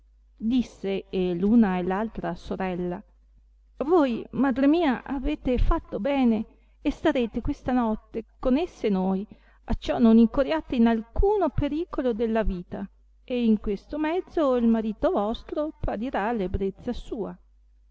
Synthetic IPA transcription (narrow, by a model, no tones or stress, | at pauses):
d̪isːeeluːnaelːalt̪ɾasoɾɛlːa | vojmad̪ɾemiːaʔaveːt̪efat̪ːobɛːneː | st̪aɾeːt̪ekwest̪anɔt̪ːekonesːenoj | a̰t͡ʃɔnːoniŋkoɾjaːt̪einalkuːnopeɾiːkolod̪elːaviːt̪a | eiŋkwest̪omɛd̪zːoilmaɾiːt̪ovɔst̪ɾopaɾiɾaːlːebɾet̪sːasuːa